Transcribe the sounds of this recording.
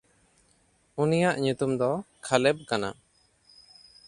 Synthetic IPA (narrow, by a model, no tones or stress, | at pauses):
unijaʔɲut̪umd̪ɔkʰalɛb̚kana̰